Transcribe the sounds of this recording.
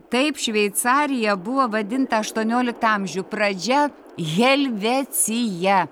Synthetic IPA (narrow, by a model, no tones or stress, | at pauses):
t̪ɐɪpʃʲʋʲɛɪt̪sɑːɾʲɪjɛbʊʋoːʋɐd̪ʲɪnt̪ɐɐʃt̪uɔnʲoːlʲɪkt̪ɐɐmʲʒʲʊpɾɐd͡ʒʲɛ | ɣʲɛlʲʋʲɛsʲɪjɛ